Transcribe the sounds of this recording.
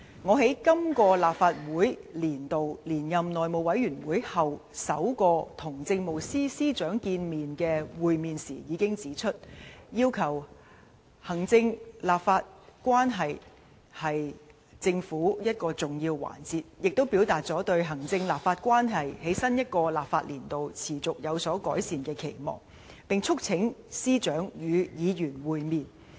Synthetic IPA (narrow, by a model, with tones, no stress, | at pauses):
ŋɔː˨˧ɦe˨˥jkɐ˥mkɔː˧laː˨p̚faː˧t̚wuː˨˥jliː˨˩nt̪o˨wliː˨˩njɐ˨mnɔː˨jmo˨˩wɐ˨˥jɥyː˨˩nwuː˨˥jhɐ˨wsɐ˨˥wkɔː˧t̪ʰʊ˨˩ŋt͡sɪ˧ŋmo˨wsiː˥siː˥t͡ʃœː˨˥ŋkiː˧nmiː˨nkɛː˧wuː˨jmiː˨nsḭː˨˩jiː˨˧kɪ˥ŋt͡siː˨˥t͡ʃʰɵ˥t̚jiː˥wkʰɐ˨˩w | hɐ˨˩ŋt͡sɪ˧ŋlaː˨p̚faː˧t̚kʷwaː˥nɦɐ˨j | hɐ˨j | t͡sɪ˧ŋfuː˨˥jɐ˥t̚kɔː˧t͡sʊ˨ŋjiː˧wwa̰ː˨˩nt͡siː˧t̚jɪ˨k̚t̪o˥wpi˨˥wt̪aː˨t̚t͡sɔː˨˥t̪ɵ˧ɥɦɐ˨˩ŋt͡sɪ˧ŋlaː˨pfaː˧t̚kwaː˥nɦɐ˨jhe˨˥jsɐ˥njɐ˥t̚kɔː˧laː˨p̚faː˧t̚liː˨˩nt̪o˨wt͡sʰiː˨˩t͡sʊ˨k̚jɐ˨˧wsɔː˨˥kɔː˨˥jsiː˨nkɛː˧kʰe˨˩jmɔ̰ː˨˩ŋ | pɪ˨ŋt͡sʰʊ˥k̚t͡sʰɪ˨˥ŋsiː˥t͡ʃœː˨˥ŋjyː˨˧jiː˨˧jyː˨˩nwuː˨jmiː˨n